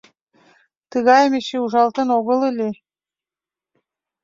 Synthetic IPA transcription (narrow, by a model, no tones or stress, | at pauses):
t̪əɣɑjəmeʃeuʒɑlt̪ə̆noɣə̆lelʲe